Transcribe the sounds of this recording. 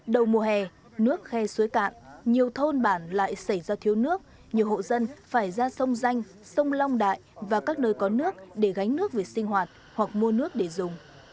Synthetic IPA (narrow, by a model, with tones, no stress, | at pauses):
ɗə˨˩wmu˨˩əɦɛ˨˩ | nɨ˦˥ək̚xɛ˧su˨˦əjka̰ː˧˨nɲi˨˩əwt̪ʰo˧nɓaː˧˩nla̰ː˧˨jsa˧˩jzaː˧t̪ʰi˨˦əwnɨ˦˥ək̚ | ɲi˨˩əwho̰˧˨zə˧nfaː˧˩jzaː˧sə˧wŋ͡mza˧jŋ̟ | sə˧wŋ͡mla˧wŋ͡mɗa̰ː˧˨jvaː˨˩kaː˦˥k̚nəː˧jkɔ˨˦nɨ˦˥ək̚ɗe˧˩ɣa˨˦jŋnɨ˦˥ək̚ve˨˩sï˧ŋ̟hɦwaː˨˩t̚ | hwa˨˩k̚mu˧ənɨ˦˥ək̚ɗe˧˩zʊ˨˩ŋ͡m